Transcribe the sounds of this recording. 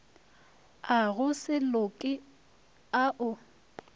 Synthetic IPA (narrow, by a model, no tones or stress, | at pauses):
aɣʊsɪlokʼɪ | aʔʊ